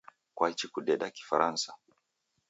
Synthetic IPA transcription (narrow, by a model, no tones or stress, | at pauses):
kwait͡ʃikuɗɛɗaki̥faɾansa